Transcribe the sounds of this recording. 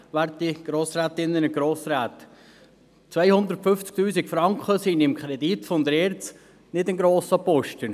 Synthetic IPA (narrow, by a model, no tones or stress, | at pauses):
ʋæːɾtdiɡ̥ɾoːsɾæːt̪ɪnːənəɡ̥ɾoːsɾaːt̪ | t͡sʋæjhʊnd̪əɾtfʏft͡sk̚t̪yːsikfɾɑŋkχəsinɪmkʰχɾɛd̪it̪fɔnd̪əɾɛːɾt͡s | nɪdɪnɡɾoːsəpɔʃtə